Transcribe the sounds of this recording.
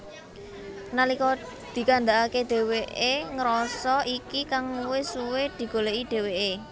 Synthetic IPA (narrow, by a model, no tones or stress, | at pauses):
nalikɔ | d̪̥i̤kand̪aʔaked̪̥e̤weʔeŋɾɔsɔʔikikaŋwɪsuwed̪̥i̤ɡ̥o̤leʔid̪̥e̤weʔe